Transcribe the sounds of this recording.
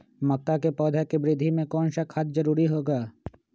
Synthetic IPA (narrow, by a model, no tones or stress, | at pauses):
mɐk̚t̪akepɔːd̪ʱakebɾɪd̪ʱːimẽkɔːnʃɐkhɐt̪̚ʰd͡ʒɐɾuːɾiɦoːɡaː